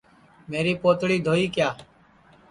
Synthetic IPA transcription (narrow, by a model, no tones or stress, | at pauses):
meːɾiːpoːt̪ɽiːd̪ʱoːiːkjaː